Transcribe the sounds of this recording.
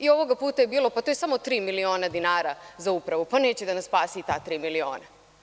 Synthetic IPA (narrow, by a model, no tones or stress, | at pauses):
io̞ʋo̞ɡapuːt̪ajebiːlo̞pat̪oje̞samo̞t̪ɾiːmilio̞ːnad̪inaːɾazaupɾaʋupane̞ːt͡ɕed̪anasspaːsit̪aːt̪ɾiːmilio̞̰ːna